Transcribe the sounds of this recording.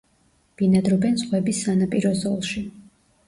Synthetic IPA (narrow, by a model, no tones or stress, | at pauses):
b̥inad̪ɾɔbɛnz̥ʁwɛbisːanapʼiɾɔzɔlˠʃi